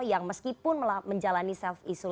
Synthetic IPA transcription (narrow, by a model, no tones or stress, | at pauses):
jaŋməskipʊnməlməɲd͡ʒalanisɛfisu